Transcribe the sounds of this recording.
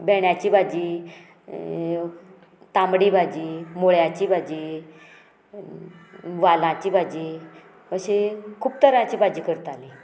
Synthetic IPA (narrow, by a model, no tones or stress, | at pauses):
bɛɽjat͡ɕiːbad͡ʑiː | t̪amɽibʱad͡ʑiːmoɭjat͡ɕiːbʱad͡ʑiː | ʋalãt͡ɕiːbʱad͡ʑiː | əɕekʰuːb̚t̪əɾãt͡ɕiːbʱad͡ʑiːkəɾt̪ali